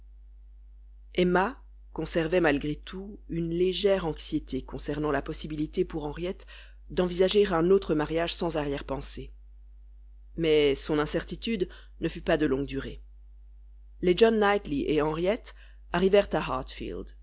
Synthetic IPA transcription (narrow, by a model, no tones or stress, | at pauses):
ɛma | kɔ̃sɛʁvɛmalɡʁet̪ʰuynleʒɛʁɑ̃ksjet̪ekɔ̃sɛʁnɑ̃lapɔsibilit̪epuʁɑ̃ʁjɛt̪ | d̪ɑ̃vizaʒeʁɛ̃not̪χəmaʁjaʒsɑ̃zaʁjɛʁpɑ̃se | mɛsɔ̃nɛ̃sɛʁt̪it̪yd̪ | nəfypad̪əlɔ̃ɡ̚d̪yʁe | led͡ʒɔnːajt̪liʔeɑ̃ʁjɛt̪ | aʁivɛʁt̪aɦaʁt̪fḭld̪